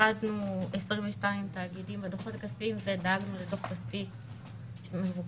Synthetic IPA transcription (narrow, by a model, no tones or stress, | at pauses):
adnuesʁiɱveʃtaimt̪aːɡidimbad̪oχo̞takaspiimzedaɡnuledoχkaspi | ʃemevuk